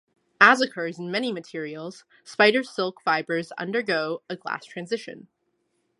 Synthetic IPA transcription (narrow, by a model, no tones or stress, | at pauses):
əzɨkʰɜ˞zn̩mɛñimɨtʰɪɹil̩ˠz̥ | spaɪɾə˞sɪlˠkfaɪbə˞zʌ̰̃ndə˞ɡoʊɨɡlæ̰stʰɹ̥æ̃nzɪʃɨ̰̃n